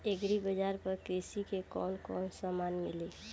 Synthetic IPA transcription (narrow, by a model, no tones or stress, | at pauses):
eɡɾibəd͡ʒaɾpəɾkɾisikekɔ̰ːnkɔ̰nsamanmili